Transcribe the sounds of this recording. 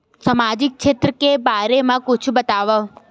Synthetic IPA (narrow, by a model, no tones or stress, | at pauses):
səmad͡ʒik̚ʃʰet̪ɾəkebaɾemãkʊt͡ʃʰubət̪aʋa